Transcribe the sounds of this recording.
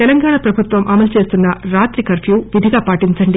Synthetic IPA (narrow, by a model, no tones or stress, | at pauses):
t̪ɛlɐŋɡaːɳaːpɾɐbʱut̪ʋɐmʔɐmɐlt͡ʃe̞ːst̪unːɐɾaːt̪ɾikɐɾpʰjuːʋid̪ʱiɡaːpaːʈiɲt͡ʃɐɳɖi